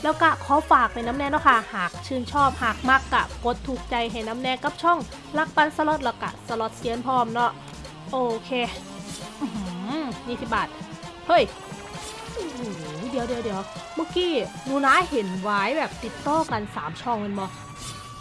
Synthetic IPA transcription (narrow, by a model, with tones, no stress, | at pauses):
lɛː˦˥wka˧˩kʰɔː˨˧˥faː˨˩k̚na˧˩jna˦˧˥mnɛː˧˥nɔ˧˥˩kʰa˧˥˩haː˨˩k̚t͡ɕʰɯː˧˩nt͡ɕʰɔː˥˩p̚haː˨˩k̚ma˦˧˩kːa˧˩ko˨˦t̪ʰːuː˨˩k̚t͡ɕa˧jɦa˧˩jna˦˥mnɛː˧ka˧˥p̚t͡ɕʰɔ˥˩ŋ | la˧˥˩k̚pa˧nsa˧lo˧˦t̪̚lɛː˧˩wka̰˧˩sa˧lo˧˩t̪̚si˧˦ənpʰɔː˧˩mnɔ˦˥˩ʔ | ʔoː˧˩kʰeː˧˩ | ʔɯ˧˩hɯ˩˦niː˧t̪ʰi˧˩baː˨˩t̪̚ | hɤ˧˥˩j | ʔɯ˧˩hu˨˩˦di˨˩˦əwdi˨˩˦əwdi˨˦əwma˧˩kiː˧˩nuː˧˩naː˧˥jhe˨˦nwaː˦˥jbɛː˨˩p̚t̪i˨˩t̪ːɔː˧˥˩ka˧nsaː˨˩˦mt͡ɕʰɔ˧˩ŋːɤ˧nmɔː˧˩